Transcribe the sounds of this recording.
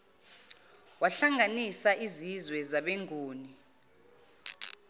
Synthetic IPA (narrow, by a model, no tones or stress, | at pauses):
waɬaŋʱanisaʔizizwɛzaɓeŋʱuːni